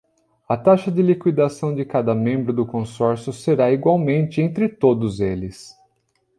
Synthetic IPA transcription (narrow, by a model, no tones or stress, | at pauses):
ɐt̪aʃɐd͡ʒɪlikwid̪asɐ̃w̃d͡ʒɪkad̪ɐmẽmbɾʊd̪ʊkõsɔɾsjʊseɾaiɡwawmẽnt͡ʃɪẽnt̪ɾɪt̪od̪ʊzelɪs